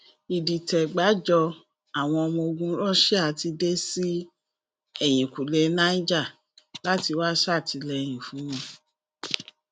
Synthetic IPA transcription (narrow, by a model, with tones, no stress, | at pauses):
i˨di˨tɛ˨ɡ͡ba˨˦d͡ʒɔ˧ | a˨w̃ɔ̃˧ɔ˧mɔ̃˧o˧ɡũ˦ɾɔ̃˦ʃɛ˦a˨ti˧de˦si˦ | ɛ˦˨j̃ĩ˨ku˨le˧˦nã˦i˦d͡ʒa˦˨ | la˦ti˧wa˦sa˦˨tʰi˧lɛ˧˨j̃ĩ˨fũ˨˦nũ˦